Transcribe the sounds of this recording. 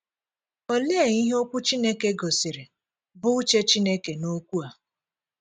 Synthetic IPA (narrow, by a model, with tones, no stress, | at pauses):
o˦le˦e˦˨ɲi˦ɦe˦o˦kʷʊ˦t͡ʃi˦ne˦ke˦ɡo˨si˨ɾe˨ | bʊ˦t͡ʃe˦t͡ʃi˦ne˦ke˨no˦kʷu˦a˨